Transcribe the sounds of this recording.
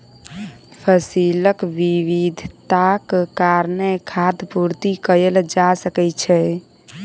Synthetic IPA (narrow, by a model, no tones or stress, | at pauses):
pʰəsiləkʋiʋid̪ʱt̪akkaɾnekʰad̪puɾt̪ikəɾeld͡ʒasəkɛt͡ʃʰɛ